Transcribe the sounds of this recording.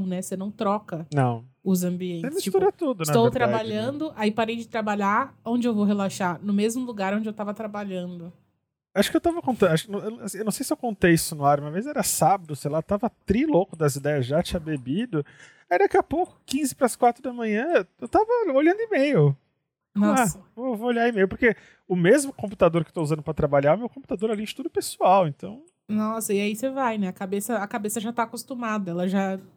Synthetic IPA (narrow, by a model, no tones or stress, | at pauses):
nɛsenɐ̃w̃t̪ɾɔkɐnɐ̰̃w̃ʊzɐ̃mbiẽntsemist͡ʃit̪uɾɾat̪ud̪ʊnst̪owtt̪ɾabaʎɐ̃nd̪ʊʔaipaɾejd͡ʒɪt̪ɾabaʎaõd͡ʒɪewvowɦelaʃaɾnʊmezmʊluɡaɾõd͡ʒɪewt̪avɐt̪ɾabaʎɐ̃nd̪ʊ | aʃʊ̥kɪewt̪avɐkõnt̪ɐ̃aʃʊ̥ɪnɐ̃asĩewnɐ̃w̃sejsɪewkõnt̪ejisʊnʊaɾmĩɐvezzɛɾɐsabɐd̪ʊsejlat̪avɐt̪ɾilokʊd̪ɐzid̪ɛjɐzʒat͡ʃĩɲɐbebid̪ʊ | ajd̪akiɐpowkʊ̥kĩzɪpɾɐskwat̪ɾʊd̪ɐmɐ̃ɲɐ̃ewt̪avɐoʎɐ̃d̪ʊɪmejʊ | nɔsaɐvoewvooʎaɪmejʊpoɾke | ʊmezmʊkõput̪ad̪oɾkɪwt̪ouzɐ̃nd̪ʊpɾɐt̪ɾabaʎaɾʊmewkõpu̥t̪ad̪oɾɛlẽnd͡ʒɪt̪ud̪ʊpesuawẽnt̪ɐ̃w̃ | nɔsɐiaisevajnɛɐkabesɐɐkabesɐʒat̪aːkost̪umad̪ɐɛlɐʒa